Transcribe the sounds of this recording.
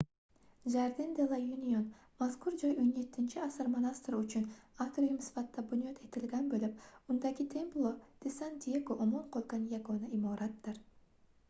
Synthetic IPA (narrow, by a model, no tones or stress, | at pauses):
d͡ʒaɾd̪ind̪elˠajunʲion | maskuɾd͡ʒojonjet̪ːɪnt͡ʃʰiɑsɨɾmonast̪ryt͡ʃynakt̪rojumsfat̪ːɑbunʲijot̪ʰet̪ɪlɡʲænbølyp̚und̪ɑɡʲit̪ʲʰe̞mplˠod̪̥ɪsant̪ʲijeɡoʔomonqʰolˠɡɑnjaɡonɑimoɾat̪ːɨɾ